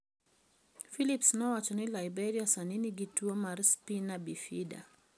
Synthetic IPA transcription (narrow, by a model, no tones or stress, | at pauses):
filipsnɔwat͡ʃɔnilaibɛɾiasaniniɡituɔmaɾspinabifida̰